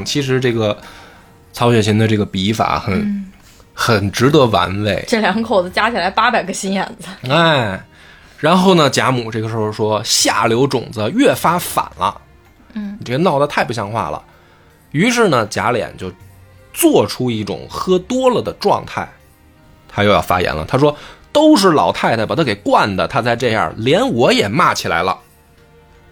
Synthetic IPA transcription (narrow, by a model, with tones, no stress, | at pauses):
t͡ɕʰi˧˥ʂ̬ɻ̩˧˥ʈ͡ʂɤ˥˩ɡə˩ | t͡sʰɑ˧˥ɕɥɛ˨˩ɕʰi˧˥ŋd̪ə˧ʈ͡ʂɤ˥˩ɡə˩pi˧˥fa̰˧˩˦xə˨˧˥n | xə˨˩nʈ͡ʂɻ̩˧˥t̪ɤ˧˥wa̰˧˥nwe˧˩ɪʈ͡ʂɤ˥˩ljɑ˧˥ŋkʰo˨˩ʊd͡zɹ̩˧t͡ɕja˥t͡ɕʰi˨˩la˧˥ɪpa˥pa˨˩ɪɡə˧ɕi˥njɛ˥˨˩nd͡z̩˧e˥˩ɪ | ɻa˧˥nxo˥˩ʊnə˩t͡ɕja˧˥mu˨˩ʈ͡ʂɤ˥˩ɡə˩ʂɻ̩˧˥xʂwɔ˥ɕja̰˥˩ljo˧˥ʊʈ͡ʂʊ̰˨˩ŋd͡zə˧ɥɛ˥˩fa˥fa̰˨˩nlʔə̰˦˩˨ | ʈ͡ʂɤ˥˩ə˧nɑ˥˩ʊə˧t̪ʰa˥˧ɪpu˥˩ɕjɑ˧˥ŋxwa̰˥˩lə̰˩ | y˧˥ʂ̬ɻ̩˥˩nə˩t͡ɕja̰˧˥ljɛ̰˨˩˦nt͡ɕjo˥˧ʊ | t͡swɔ˥˩ʈ͡ʂʰu˥i˥˩ʈ͡ʂʊ̰˨˩ŋxɤ˥t̪wɔ˥lə˨d̪ə˩ʈ͡ʂwɑ̰˥˧ŋt̪ʰa˥˩ɪ | t̪ʰa˥t͡ɕjo˥˧ʊjɑ̰˥˩ʊfa̰˥jɛ̰˧˥nlə̰˨t̪ʰa˥ʂ̬wɔ˥t̪o˥ʊʂ̬ɻ̩˥˩lɑ̰˨˩ʊt̪ʰa˥˧ɪt̪ʰa˥˩pt̪ʰke˨˩ɪkwa˥˩nd̪ə˩t̪ʰa˥t͡sa˥˧ɪʈ͡ʂɤ˥˧ja̰˥˩ljɛ˧˥nwɔ˧˥jɛ˨˩ma˥˩t͡ɕʰi˨˩la̰˧˥ɪlə̰˧